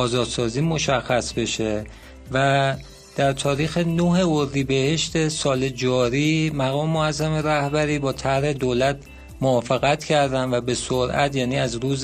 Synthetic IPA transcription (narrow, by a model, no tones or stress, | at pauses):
ɒːzɒːd̪sɒːziːmo̞ʃæxːæsbe̞ʃe | væ | d̪̥æɾt̪ʰɒːɾiːxenoɦe̞oɾd̪iːbe̞he̞ʃt̪e̞sɒːle̞d͡ʒɒːɾiːmæɣɒːmemoæzːæme̞ɾæhbæɾiːbɒːt̪ʰæhɾe̞d̪oːlæt̪̚ʰ | moɒːfe̞ɣæt̪cʰæɾd̪ænvæbe̞soɾʔæ̰t̪ʰjæːniːæzɾuːz